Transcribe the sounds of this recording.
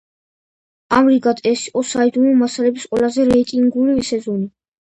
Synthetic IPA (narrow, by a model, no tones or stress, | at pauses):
amɾiɡad̪ʼɛsiqʼɔsaid̪unumasalɛbisqʼwɛlazɛɾɛit̪ʼiŋɡulivisɛzɔni